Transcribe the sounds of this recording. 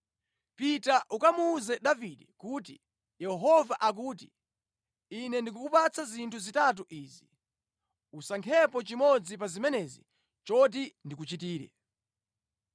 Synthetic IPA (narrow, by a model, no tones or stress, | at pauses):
pitaʔukamuːzɛɗaviɗɛkuːti | jɛɦɔvaʔak̬uːt̬i | inɛndik̬ukupat͡sazintʰuzitat̬uʔiːzi | usaŋkʰɛpɔt͡ʃimɔd͡zip̬azimɛnɛzḭ | t͡ʃɔt̬indikut͡ʃitiːɾɛ̰